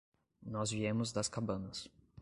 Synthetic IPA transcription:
nɔzviẽmʊzd̪ɐskabɐ̃nɐs

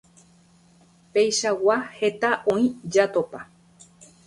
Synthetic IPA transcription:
pejʃawahe̞t̪aʔõĩd͡ʒat̪opa

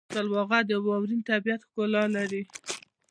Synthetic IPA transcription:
alwɑɣad̪əwɑwɾint̪abijat̪xkolɑlaɾi

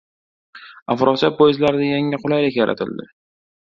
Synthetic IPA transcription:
afɾʔɒsat̚bojɪzlaɾɪd̪ajaŋaqʰʊlajlɪkʲja̰ɾʔa̰t̪ʰɪ̰ld̪ɪ̰

